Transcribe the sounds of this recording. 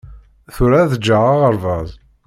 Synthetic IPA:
θʊɾaðəd͡ʒːəʁaʁəɾˤvɑðˤ

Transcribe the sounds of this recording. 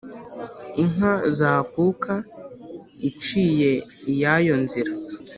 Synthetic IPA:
iŋazaːkukʰa | it͡ʃiːje̞jajo̞nziɾa

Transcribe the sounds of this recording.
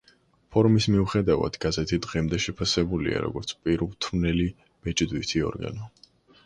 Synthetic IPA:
pʰɔɾmismiuχɛd̪ava̰d̪̥ɡazɛt̪ʰid̪ʁimd̪ɛʃɛpʰasɛbulḭa̰ɾɔ̰ɡɔɾt̪sʰpʼiɾlˠt̪ʰmnɛli | m̥ɛt͡ʃʼd̪wit̪ʰiɔ̰ɾɡa̰nɔ

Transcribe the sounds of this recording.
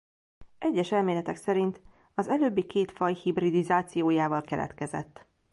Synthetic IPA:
ʔɛɟːɛʃɛlmeːlɛt̪ɛksɛɾint̪ | ɒzɛløːbːikeːt̪fɒjhibrid̪izaːt̪sijoːjaːvɒlkɛlʔɛ̰t̪kɛzɛ̰t̪ː

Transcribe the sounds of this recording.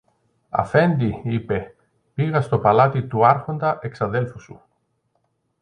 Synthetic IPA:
ɐ̰fe̞nd̪iipe̞ | piɣɐst̪o̞pɐlɐt̪it̪uɐɾxo̞nd̪ɐʔe̞ksɐðe̞lfusṵ

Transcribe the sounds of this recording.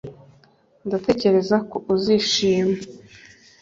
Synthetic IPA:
ndate̞ce̞ɾe̞zakoʔuziʃiːma

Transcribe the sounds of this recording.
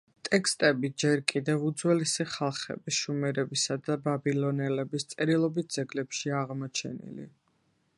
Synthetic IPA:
t̪ʼɛkʰst̪ʼɛbid͡ʒɛɾkʼid̪ɛvud̪zwɛlisiχalˠχɛ̰bisʃumɛɾɛbisad̪ababilɔnɛlɛbist̪sʼɛɾilˠɔbit̪̚d̪z̥ɛɡlɛpʃiaʁmɔt͡ʃʰɛ̰nḭlḭ

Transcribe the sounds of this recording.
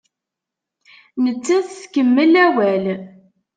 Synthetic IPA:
nət͡sːæθθkəmːəlæwæl

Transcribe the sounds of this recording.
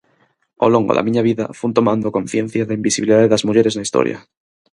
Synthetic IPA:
o̰lo̞ŋɡoða̰mĩɲaβ̞iða̰fuunt̪o̞mãnd̪okõ̞nθjẽ̞n̟θjaðaimbisiβiliðaðeðazmuʝeɾeznaist̪o̰ɾja̰

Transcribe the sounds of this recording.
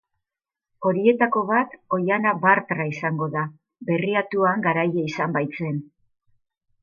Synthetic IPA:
o̞ɾie̞t̪ako̞β̞at̪o̞janabaɾt̪ɾaisaŋɡo̞ða | be̞riat̪uaŋɡaɾajeisambajt͡se̞n

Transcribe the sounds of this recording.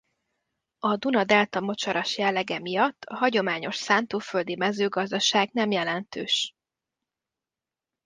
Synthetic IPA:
ɒd̪unɒd̪ɛlt̪ɒmo̞t͡ʃɒɾɒʃjɛlːɛɡɛmijɒt̪ːɒɦɒɟo̞maːɲo̞ʃsaːnt̪oːføld̪imɛzøːɡɒzd̪ɒʃaːɡnɛmjɛlɛnt̪ø̰ːʃ

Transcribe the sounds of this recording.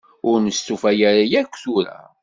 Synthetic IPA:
ʊɾnəst̪ufæjæɾajækʷːθuɾæ̰

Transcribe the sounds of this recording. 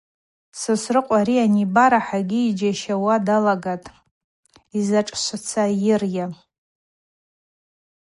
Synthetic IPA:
sɨsrɨqʷʼaɾianibaɾaħaɡʲiːd͡ʒaʃawadalaɡatʼ | izaʈ͡ʂʼʃʷat͡sʰajɪrja

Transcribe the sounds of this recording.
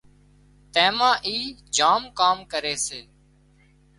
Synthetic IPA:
t̪ɛ̃ːmãːʔiːd͡ʒaːmkaːmkəɾeːseː

